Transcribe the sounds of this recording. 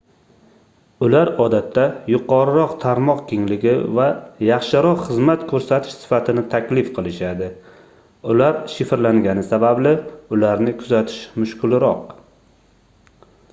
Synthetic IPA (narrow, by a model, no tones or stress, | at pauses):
ʊlaɾɒd̪at̪ʰːajʊqʰɒɾɪɾɒqt̪ʰaɾmɒqkʲeŋlɪɡʲɪvajɑχʃɪɾɒqχɨzmat̪kʰɵɾsat̪ʰɪʃsɪ̥fat̪ʰɪnɪt̪ʰakʲlɪfqʰɨlˠɪʃad̪ɪ | ʊlaɾʃɪfɾlaŋɡʲanɪsabablɪʊlaɾnɪkʰʊzat̪ʰɪ̥ʃmʊʃkʰʊlɪɾɒq